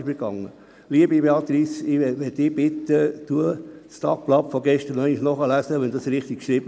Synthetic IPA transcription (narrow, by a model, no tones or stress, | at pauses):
ʃmiɡ̥ɑŋːə | liəbibeɑt̪ɾisɪʋɛt̪ːɪb̥ɪt̪ːət̪uət͡st̪ɑ̰k̚plɑpfɔɡɛʃtəɾnɛɪŋɪʃnɔχəlæsəʋɛndɑsɾɪχt̪ikʃɾib̥ə